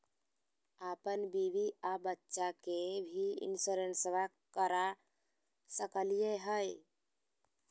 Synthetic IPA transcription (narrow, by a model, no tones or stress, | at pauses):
apənbibiabətːʃakebʱiḭnsuɾensəʋa | kəɾa | səkəlijeɦəj